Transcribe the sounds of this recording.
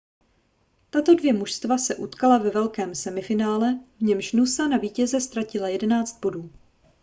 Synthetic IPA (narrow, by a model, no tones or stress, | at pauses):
t̪at̪o̞dvjɛmuʃst̪vasɛʔut̪kalavɛvɛlkɛːmsɛmɪfɪnaːlɛvɲɛmʃnusanaviːcɛzɛst̪ɾacɪlajɛdɛnaːt͡st̪̚bo̞duː